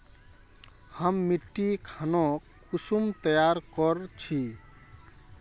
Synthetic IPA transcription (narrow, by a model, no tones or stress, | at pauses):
həmːiʈːikʰanɔkusumt̪əjaɾkɔɾt͡ʃʰi